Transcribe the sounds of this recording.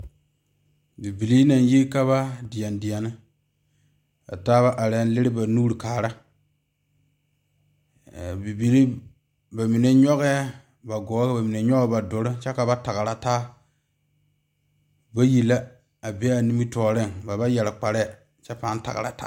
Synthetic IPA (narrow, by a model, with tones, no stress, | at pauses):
bi˨bi˨li˦na˨n˦ji˦ka˦βa˦dɪ˨a˨ndɪ˨a˨nɨ˦ | a̰˨taː˦βa˦ʔa˨ɾɛ˨˦n˦lɪ˦ɾɪ˦ba˨nuː˦ɾi˨kaː˨ɾa˦˨ | bi˨bi˨li˦ | ba˨mi˨ne˦ɲɔ˦ɣɛ˦ | ba˨ɡɔː˨˦ka˨ba˨mi˨ne˨ɲɔ˦ɡba˨dʊ˨ɾɪ˦t͡ʃɛ˦ka˨ba˦ta˨ɣa˨ɾa˨taː˦ | ba˦ji˨la˦ | a˨be˦a˨ni˦mi˦tɔː˨˦ɾɪ˦˨ŋba˨ba˦jɛ˨lɪ˨k͡pa˨ɾɛ˦˨ | t͡ʃɛ˦pa˨˦n˦ta̰˨ɡa̰˨ɾa̰˨ta̰˦